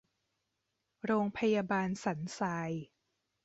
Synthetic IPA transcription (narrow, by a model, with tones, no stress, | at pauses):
ɾoː˧ŋpʰa˧jaː˧baː˧nsa˩˦nsaː˧j